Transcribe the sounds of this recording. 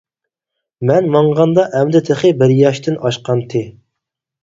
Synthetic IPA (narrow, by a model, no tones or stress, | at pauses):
mɛnmɑɴʁɑnd̪ɑʔɛmd̪ɪt̪ʰeχɪbɪɾjɑʃt̪ʰɪnɑʃqɑnt̪ʰɪ